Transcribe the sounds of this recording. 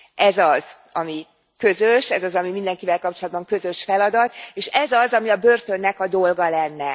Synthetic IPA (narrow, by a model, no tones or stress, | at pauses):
ɛzɒz | ɒmi | kø̞zøʃɛzɒzɒmimind̪ɛŋkivɛlkɒp̚t͡ʃo̞lɒd̪̚bɒŋkø̞zø̞ʃfɛlɒd̪ɒt̪eːʃɛzɒzɒmiɒbø̞rt̪ø̞nːɛkɒd̪o̞lɡɒlɛnːɛ